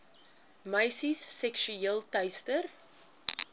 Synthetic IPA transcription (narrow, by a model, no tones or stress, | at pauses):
məjsisːɛkʃyeːlˠtɐjstər